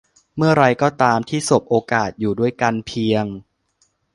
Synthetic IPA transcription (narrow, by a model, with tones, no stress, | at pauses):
mɯ˥˩əɾa˧jkɔː˥˩t̪aː˧mt̪ʰiː˥˩so˨˩p̚ʔoː˧kaː˨˩t̪̚juː˨˩du˥˩əjka˧npʰi˧əŋ